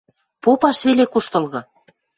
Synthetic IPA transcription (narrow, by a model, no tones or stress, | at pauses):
popɑʃβelekuʃt̪ɤ̆lɣɤ̆